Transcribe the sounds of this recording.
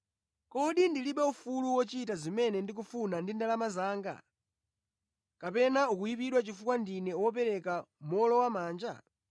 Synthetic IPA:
kɔɗindiliɓɛufuluwɔt͡ʃitazimɛnɛndik̬ufunandindalamazaːŋɡa̰ | kapɛnaukujip̬iɗwat͡ʃifukwandinɛwɔp̬ɛɾɛkamɔlɔwamaːnd͡ʒa̰

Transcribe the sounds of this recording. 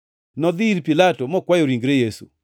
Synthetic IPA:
nɔd̪ɪɾpilatomɔkwajoɾiŋɡɾejesṵ

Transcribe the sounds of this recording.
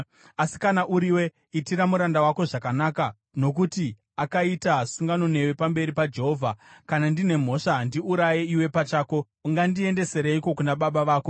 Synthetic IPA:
asi̥kanaʔuɾiwe̞ | itiɾamuɾandawako̞ʐakanaka | no̞k̬uti | akaitasuŋɡano̞ne̞we̞pambe̞ɾipad͡ʒe̞ɦo̞ːvʱakanandine̞m̤o̞ʂandiuɾajeiwe̞pat͡ʃaːko̞ | uŋɡandie̞nde̞se̞ɾeiko̞kunaɓaɓaʋaːko̞

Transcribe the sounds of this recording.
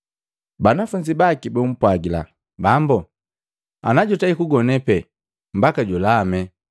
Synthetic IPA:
banafuɲd͡ʒibakibɛm̩pwaɡila̰ | bambu | anaɟɔtaikuɡɔnɛpɛ | m̩bakaɟulamɛ

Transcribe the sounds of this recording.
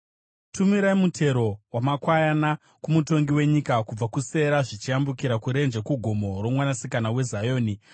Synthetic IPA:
tʰumiɾaimutʰe̞ɾo̞wamakwajana | kumuto̞ŋɡiwe̞ɲikakub͡vakuse̞ɾaʐit͡ʃijambukiɾakuɾe̞nd͡ʒekuɡʱo̞mo̞ro̞mwanasikanawe̞zajo̞ːni

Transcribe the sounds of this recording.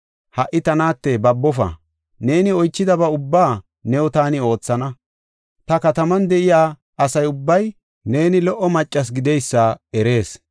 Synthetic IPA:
hɐʔːɪt̪ɐnaːt̪ːebɐbːɔfɐ̰ | ne̞ːnɪɔjt͡ʃːɪd̪ɐbɐʊbːaː | nɛwɔt̪aːnɪo̞ːt͡sːɐnɐ | t̪ɐkɐt̪ɐmɐnd̪ɛʔɪjaː | ɐsɐjʊbːɐj | ne̞ːnɪlɔʔːɔmɐt͡ʃʼːɐs̬ɡɪd̪ɛjsːɐɛɾe̞ːs

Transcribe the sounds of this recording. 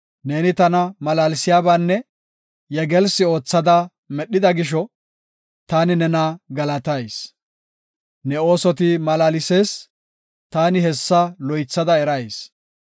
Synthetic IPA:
ne̞ːnɪt̪ɐnɐmɐlaːlɪsɪjaːbaːnːɛ | jɛɡɛlsɪo̞ːt͡sːɐd̪ɐ | mɛɗːɪd̪ɐɡɪʃ̬ɔ | t̪aːnɪnɛnaɡɐlɐt̪ɐjs | nɛo̞ːsɔt̪̬ɪmɐlaːlɪse̞ːs | t̪aːnɪhɛsːɐlɔjt͡sːɐd̪ɐɛɾɐjs

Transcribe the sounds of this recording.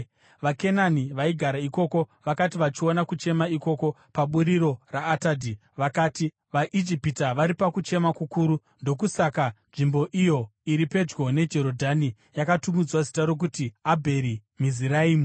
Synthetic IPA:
ʋake̞naniʋaiɡʱaɾaiko̞ːko̞ʋakatiʋat͡ʃio̞nakut͡ʃe̞maiko̞ko̞ | paɓuɾiɾo̞raːtaːdʱi | ʋakaːti | ʋaʔid͡ʒipitaʋaɾipakut͡ʃe̞makukuːɾu | ndo̞kusakanʐimbo̞ʔijo̞iɾipe̞d͡ʒɡo̞ne̞d͡ʒe̞ɾo̞dʱani | jakatumud͡zwazitaɾo̞k̬utiabʱe̞ɾi | miziɾaiːmu

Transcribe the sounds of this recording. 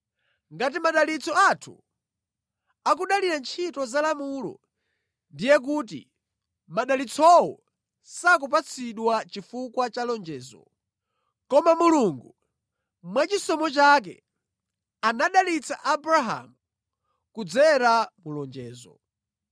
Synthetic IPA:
ŋɡat̬imaɗalit͡sʰɔatʰṵ | ak̬uɗaliɾant͡ʃʰitɔzalamulɔ̰ | ndijɛk̬ut̬ḭ | maɗalit͡sʰɔwɔ̰ | sak̬up̬at͡sʰiɗwat͡ʃifukwat͡ʃalɔnd͡ʒɛːzɔ̰ | kɔmamuluŋɡu | mwat͡ʃisɔmɔt͡ʃak̬ɛ̰ | anaɗalit͡sʰa̰ʔabɾaɦa̰mu | kud͡zɛɾamulɔnd͡ʒɛːzɔ̰

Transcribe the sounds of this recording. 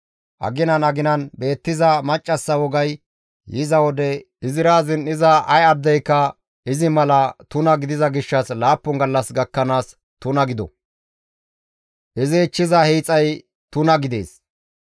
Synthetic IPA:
ʔɐ̰ɡɪnɐnɐɡɪnɐnbe̞ːt̪ːɪzɐmɐt͡ʃʼːɐsːɐwɔɡɐj | jɪzɐwɔd̪ɛ | ɪzɪɾaːzɪnɪzɐʔɐjɐd̪ːɛjkːɐ | ɪzɪmɐlɐt̪ʊnɐɡɪd̪ɪzɐɡɪʃːɐslaːpːɔŋɡɐlːɐsɡɐkːɐnaːs | t̪ʊnɐɡɪd̪ɔ | ʔɪzɪt͡ʃːɪzɐhiːt͡sʼːɐj | t̪ʊnɐɡɪd̪e̞̰ːs

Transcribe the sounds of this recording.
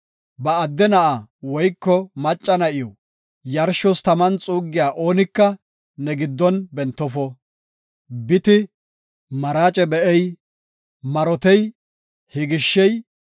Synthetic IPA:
bɐːd̪ːɛnɐʔawɔjkːɔmɐt͡ʃʼːɐnɐʔɪjɔ | jɐɾʃɔst̪ɐmɐnt͡sʼuːɡːɪjaːʔo̞ːnɪkːɐ | nɛɡɪd̪ːɔnbɛnt̪ːɔfɔ | bɪt̪ɪ | mɐɾaːt͡ʃʼɛbɛʔɛj | mɐɾɔt̪ɛj | hɪɡɪʃːɛj

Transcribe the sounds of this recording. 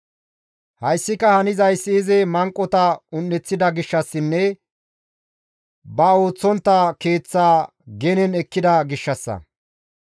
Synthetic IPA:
hɐjsːɪkɐhɐnɪzɐjsːɪːzɛmɐŋkʼːɔt̪ɐʊnːɛt͡sːɪd̪ɐɡɪʃːɐsːɪnːɛ | bɐo̞ːt͡sːɔnt̪ːɐke̞ːt͡sːaː | ɡɛnɛnɛkːɪd̪ɐɡɪʃːɐsːɐ̰

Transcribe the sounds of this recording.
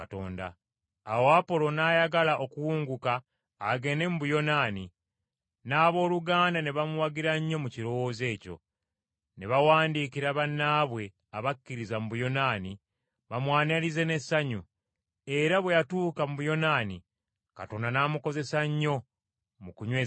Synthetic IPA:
ato̰ːnda̰ː | woapo̞lo̞naːjaɡalaʔo̞kuwuːŋɡukaː | ɡe̞ne̞mubujo̞naːni | naːβo̞ːluɡaːndane̞βamuwaɡiɾaɲːo̞muciɾo̞wo̞ːze̞ːco̞̰ | ne̞βawaːndikiɾaβanːaːβwe̞ | aβakːiɾizamuβujo̞naːni | βamwaːnalize̞ne̞sːaɲu | e̞ɾaβwe̞jatuːkamuβujo̞nanḭ | ka̰to̞ːndanaːmuko̞ze̞saɲːo̞ | mukuɲweː

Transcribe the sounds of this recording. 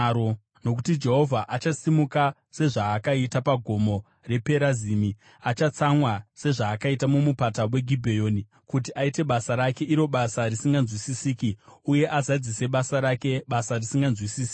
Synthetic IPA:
ɾo | no̞k̬utid͡ʒe̞ɦo̞vʱaʔat͡ʃasimuka | se̞ʐaːkaitapaɡʱo̞mo̞ | re̞pe̞ɾaziːmi | at͡ʃat͡samwase̞ʐaːkaitamumupatawe̞ɡʱibʱejo̞ːni | kut̬iʔaite̞ɓasaɾake̞ʔiɾo̞ɓasarisiŋɡanzwisisiːkiuje̞ʔazad͡zise̞ɓasaɾake̞ɓasarisiŋɡanzwisiːsi̥kːi

